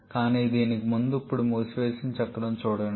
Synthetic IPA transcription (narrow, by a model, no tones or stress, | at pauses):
kaːniːd̪iːnikimund̪uipːuɽumuːsʋeːsint͡ʃɐkːɐɽɐmt͡ʃuːɽɐn